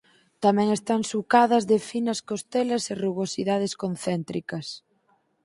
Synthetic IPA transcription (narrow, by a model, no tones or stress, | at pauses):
t̪amɛ̃ŋest̪aŋsukaðɐzðɪfinɐskost̪ɛlɐsɪruβosiðað̞eskonθɛnt̪ɾikɐs